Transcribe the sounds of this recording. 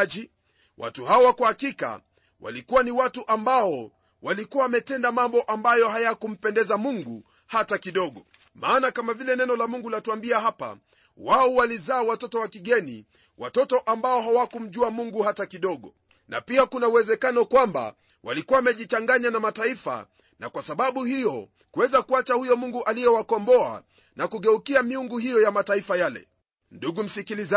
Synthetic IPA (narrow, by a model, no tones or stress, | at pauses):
ʄi | wa̰tuhaɔwakuhakika̰ | wʔa̰likuwaniwatuʔambaɔ | walikuwamɛtɛndamambɔʔambajɔɦajakum̩pɛndɛzamuŋɡu | hatakiɗɔɠɔ | maːnakamavilɛnɛnɔlamuŋɡulatuambiaɦapa̰ | waɔwalizaːwatɔtɔwakiɠɛnḭ | wʔa̰tɔtɔʔambaɔɦawakum̩ʄuamuŋɡuhatakiɗɔɠɔ | na̰piakunauwɛzɛkanɔkwamba̰ | wʔa̰likuwamɛʄit͡ʃaŋɡaɲanamataifa̰ | na̰kwasaɓaɓuhijɔ | kuwɛzakuat͡ʃahujɔmuŋɡuʔalijɛwakɔmbɔa̰ | nakuɠɛukiamiuŋɡuɦijɔjamataifajalɛ̰ | nduɡum̩sikiliz